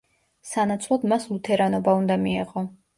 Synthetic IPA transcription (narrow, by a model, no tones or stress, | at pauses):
sanat̪sʰlˠɔd̪maslˠut̪ʰɛɾanɔbaund̪amiɛʁɔ